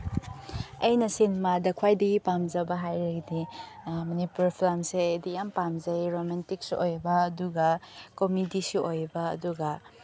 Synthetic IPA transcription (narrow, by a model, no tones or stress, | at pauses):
ɐjnɐsinmadɐkʰwajdɐɡipamzɐbɐɦajɾɐɡdi | mɐnipuɾpʰlamsedijampamzɐjɾomantik̚sojbɐːduɡɐkomidisiʔojbɐɐ̰duɡɐ